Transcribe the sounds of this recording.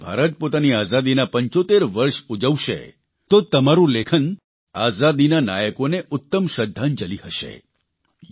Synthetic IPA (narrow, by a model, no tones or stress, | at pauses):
bʱa̰ɾət̪̚pot̪aniazad̪inapəɲt͡ʃot̪eɾʋəɾʃud͡ʒəʋʃḛ | t̪ot̪əmaɾũlekʰən | azad̪inana̰jəkoneʔʊt̪ːəmʃəd̪ʱːand͡ʒəlihəʃḛ